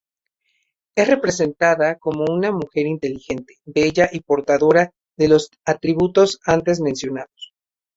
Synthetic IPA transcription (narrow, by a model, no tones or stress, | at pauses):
e̞sre̞pɾe̞s̬e̞nt̪aðako̞mo̞unamuxe̞ɾint̪e̞lixe̞nt̪e̞̥be̞ʝaʔipo̞ɾt̪aðo̞ɾa | ðe̞lo̞s | at̪ɾiβut̪o̞sant̪e̞z̬mẽ̞nsjo̞naðos